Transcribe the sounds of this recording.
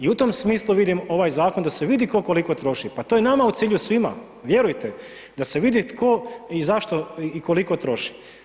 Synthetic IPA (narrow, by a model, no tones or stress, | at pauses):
iut̪o̞msmiːslˠuʋid̪imo̞ʋaːjzaːko̞nd̪ase̞ʋid̪iko̞ko̞liko̞t̪ɾo̞ʃipat̪ojenamaut̪siːʎusʋima̰ | ʋje̞ɾujt̪e | d̪ase̞ʋid̪it̪ko̞izaʃt̪o̞iko̞liko̞t̪ɾo̞ʃi̥